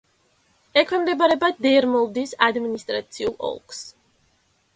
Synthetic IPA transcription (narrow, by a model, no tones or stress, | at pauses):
ɛkʰwɛmd̪ɛbaɾɛbad̪ɛɾmɔlˠd̪isad̪minist̪ʼɾat̪sʰiulˠɔ̰lˠks